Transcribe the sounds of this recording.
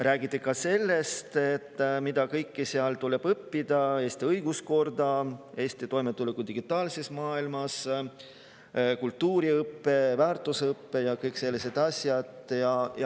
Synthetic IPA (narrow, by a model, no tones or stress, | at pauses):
ræːɡ̥it̪ːˑekɑse̞lːe̞st̪et̪ːmid̪̥ɑkɤjkːiseɑlt̪ule̞b̥ɤpːid̪̥ɑe̞ːst̪iɤjɡ̥usko̞rd̪ɑe̞ːst̪it̪o̞jmet̪ːˑulekud̪iɡ̥it̪ːˑɑːlse̞smɑːilmɑs | kult̪ːuːɾiɤpːe̞væːrt̪ːˑuseɤpːe̞jɑkɤjkse̞lːise̞d̪̥ɑsʲjɑd̪̥jɑj